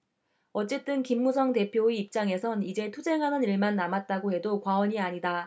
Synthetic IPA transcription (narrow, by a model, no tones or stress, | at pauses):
ʌt͡ɕ͈e̞t͈ɯnkimːusʰʌŋte̞pʰjoeip̚t͡ɕ͈aŋe̞sʰʌnid͡ʑe̞tʰud͡ʑe̞ŋɦanɯniɭmanːamat̚t͈aɡohe̞dokwaʌɲiaɲida